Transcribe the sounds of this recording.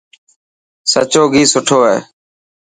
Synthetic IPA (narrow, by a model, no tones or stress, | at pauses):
sə̰t͡ʃoːɡʱiːsʊʈʰoːɦɛː